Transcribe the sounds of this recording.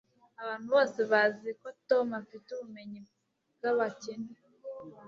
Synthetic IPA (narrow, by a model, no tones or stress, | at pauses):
aβaːn̥huβoːseβaziekotomafituβume̞ɲi | bɡaβaceni